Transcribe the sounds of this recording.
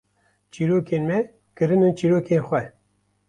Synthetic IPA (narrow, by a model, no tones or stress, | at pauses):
t͡ʃiːɾoːkeːnmɛ | kɨɾɨnut͡ʃiːɾoːkeːnxʷɛ